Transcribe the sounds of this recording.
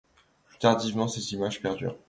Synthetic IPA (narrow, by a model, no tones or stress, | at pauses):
plyt̪aʁd̪ivmɑ̃sezimaʒpɛʁd̪y̰ʁ